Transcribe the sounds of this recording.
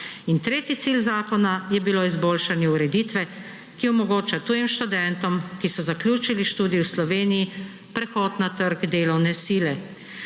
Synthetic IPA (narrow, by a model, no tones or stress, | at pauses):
int̪ɾeːt̪it̪siːlzaːkɔnajɛbiloːizboːlʃanjɛuɾɛd̪iːt̪ʋɛ | kiɔmɔɡoːt͡ʃat̪uːjimʃt̪ud̪ɛnt̪ɔmkisɔzaklʲjuːt͡ʃiliʃt̪uːd̪iwslɔʋeːniji | pɾɛxɔːt̪nat̪əɾɡd̪eːlɔwnɛsiːlɛ